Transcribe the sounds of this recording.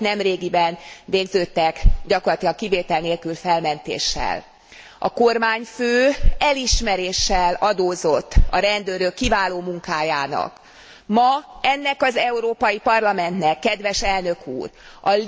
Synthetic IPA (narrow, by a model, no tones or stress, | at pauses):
nɛmreːɡibɛnveːɡzøːt̪ːɛkɟɒkorlɒt̪ilɒŋkiveːt̪ɛlneːlkylfɛlmɛnt̪ḛːʃːɛ̰l | ɒko̞rmaːɲføːɛliʃmɛɾeːʃːɛlɒd̪oːzo̞t̪ːɒ̰ɾɛnd̪øːɾøkːivaːloːmuŋkaːjaːnɒ̰k | mɒɛnːɛkɒzɛuɾoːpɒjipɒrlɒmɛnt̪nɛkːɛd̪ʋɛʃɛlnø̞kʰṵːrɒ